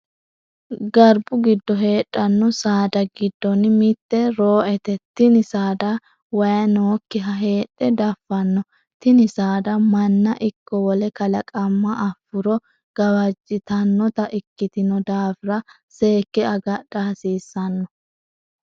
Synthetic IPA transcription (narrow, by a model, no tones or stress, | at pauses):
ɡɐɾbʊɡɪd̪ːɔɦe̞ːᶑʼːɐnːɔsaːd̪ɐɡɪd̪ːɔnmɪt̪ːɛɾoːʔɛt̪ɛt̪ːɪnɪsaːd̪ɐ | wɐjɐnoːkːɪɦɐɦe̞ːᶑʼɛd̪ɐfːɐnːɔ | t̪ɪnɪsaːd̪ɐmɐnːɐʔɪkːɔwɔlɛkɐlɐkʼɐmːɐʔɐfːʊɾɔ | ɡ̥ɐwɐd͡ʒːɪt̪ɐnːɔt̪ɐʔɪkːɪt̪ɪnɔd̪aːfɪɾɐ | se̞ːkːɛɐɡɐd̥aːsiːsːɐnːɔ